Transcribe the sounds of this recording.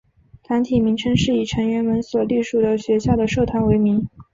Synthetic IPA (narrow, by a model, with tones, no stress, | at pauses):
t̪ʰa˧˥nt̪ʰi˨˩mi˧˥ŋʈ͡ʂʰɤ˥ŋʂɻ̩˥˩i˨˩ʈ͡ʂʰɤ˧˥ŋɥɛ˧˥nmə˧˥nswɔ˨˩li˥˩ʂu˨˩d̪ə˦ɕɥɛ˧˥ɕja˥˩d̪ə˩ʂo˥˩ʊt̪ʰwa˥˩nwe˧˥ɪmi˧˥ŋ